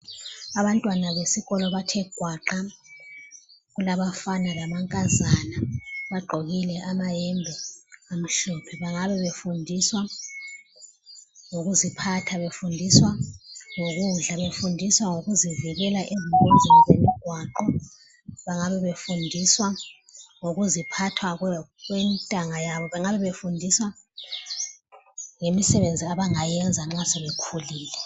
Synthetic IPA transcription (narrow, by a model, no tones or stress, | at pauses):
aβantʼwanaβesiɣɔlɔβatʰɛɡ̥ʱwaǃa | ɣulaβafanalamaŋkʼazanaβaɡ͡ǃʱoɣilɛʔamajɛmbʱɛam̩ʃɔpʰɛβaŋaβɛβefundʱiswa | ŋoɣuzipʰatʰaβefundʱiswaŋoɣuɮaβefundʱiswaŋoɣuziviɣɛlaʔeziunzʱinazemiɡ̥ʱwaǃɔ | βaŋaβɛβefundʱiswa | ŋoɣuzipʰatʰwaɣwɣwɛntʼaŋajaβɔβaŋaβɛβefundʱiswa | ŋemisɛβend͡zʱiaβaŋajɛnd͡zʱaŋ͡ǁasɛβekʰuliːlɛ